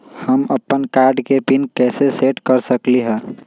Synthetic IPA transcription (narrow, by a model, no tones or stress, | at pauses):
həməpːənkaɾɖkepinkɛseseʈkəɾsəkliɦɛ̃